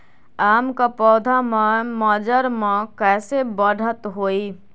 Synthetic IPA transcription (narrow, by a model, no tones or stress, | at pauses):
aːmkapɔːd̪ʱamməd͡ʒəɾmẽkɛːsebəɽ̤ʱət̪ɦoːi